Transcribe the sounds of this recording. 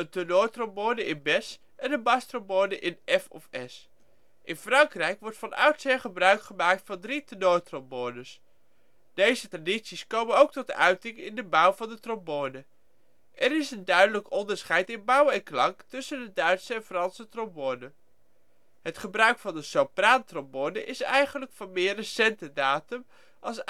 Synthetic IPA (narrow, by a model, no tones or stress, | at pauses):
əntonoːtromboːnəɪnbɛs | ʔɛnənbɑstromboːnəʔɪnɛfɔfɛs | ʔɪnfrɑŋkrɛjkʋɔɹtfɑnœ̰wtsɪχəbrœɥkχəmaːk̚tfɑndritənoːtrɔmboːnəs | d̥ejzətraditsiskowmənowk̚tɔtəœɥtɪŋɪ̰ndəbʌwvɑndətromboːnə | ʔɛɾɪsəndœɥdələkɔndəɹsχɛjtɪnbʌwɛŋklɑŋktʏsəndədœɥtsəɛnfrɑnsətrɔmboːnə | ɦətχəbrœɥkfɑndəsowpraːntrombonəʔɪsɛ̰jχənləkfɑnmɪːɹrəsɛntədaːtəm | ʔɑlˠs